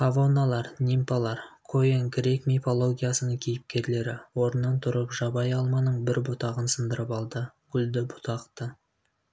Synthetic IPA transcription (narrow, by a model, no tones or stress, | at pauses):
kavo̞nalˠɑɾnʲimpalˠɑɾkʰojeŋɡɾʲe̞kmʲifo̞lˠo̞ɡʲijasənəŋkʲʰejɪp̚kʲe̞ɾle̞ɾɪwo̞ɾənːɑnt̪ʰʊɾəpʒɑbɑjɑlˠmɑnəɴbɪɾbʊt̪ɑʁənsənd̪əɾəpɑlˠd̪əɡʲʰʏld̪ɪbʊ̥t̪ʰɑqt̪ə